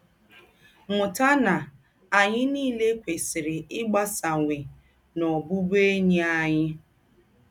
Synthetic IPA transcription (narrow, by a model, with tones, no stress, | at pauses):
ŋʊ˨ta˦na˨ | a˨ɲɪ˦niː˦le˦kʷe˨sɪ˨ɾɪ˨ɪ˦ɡ͡ba˦sa˨ŋʷe˨ | nɔ˨bʊ˦be˦ɲi˦a˦ɲɪ˦